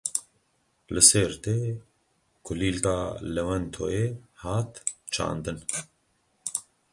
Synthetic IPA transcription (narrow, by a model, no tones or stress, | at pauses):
lɨsɛɾt̪eː | kʰʊliːlkaːlɛwɛnt̪ʰo̰ːehaːt̪t͡ʃʰa̰ːnd̪ɨn